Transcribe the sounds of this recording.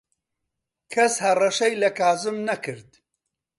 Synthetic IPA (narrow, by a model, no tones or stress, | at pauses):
kʰɐshɐrɐʃɐjlɐkaːzɨmnɐkɨɾd̪